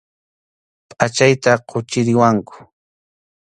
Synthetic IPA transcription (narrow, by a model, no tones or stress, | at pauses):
pʼat͡ʃajt̪aqʰʊt͡ʃɪɾɪwaŋkʊ̥